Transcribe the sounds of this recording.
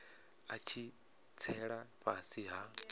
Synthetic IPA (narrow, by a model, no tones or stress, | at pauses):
at͡ʃʰi | t͡sʰɛɺaɸasiɦa